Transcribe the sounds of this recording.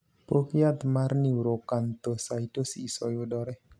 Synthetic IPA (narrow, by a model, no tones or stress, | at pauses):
pokjat̪maɾniwɾokant̪osajtosiisojodɔɾe